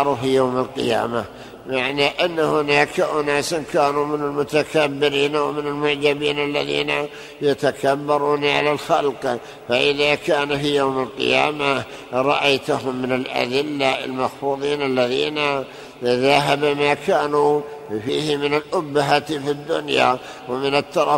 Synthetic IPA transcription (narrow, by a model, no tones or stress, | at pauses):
ɾˤufijaːmalqɪja̰ːma | maʕniʔanːahʊnaːkaʔʊnaːsɪnkaːnumɪnɪlmʊt̪akabːɪɾiːnwmɪnɪlmʊʕd͡ʒabiːnalːaðḭːna | jat̪akabːɑɾˤuːnʕalalxalq | faʔɪðakaːnufijaːmalqɪ̰ja̰ːma | ɾˤɑʔajt̪ʊhʊmːɪnalʔa̰d̪ɪlːa̰lmɑxfuːðˤiːnalːaðiːna | ðaɦabmaːkaːnu | fiːhɪmɪnɪlʔʊbːaɦat̪fid̪ːʊ̰nja̰ | wɪmɪnɪt̪ːɑɾˤɑ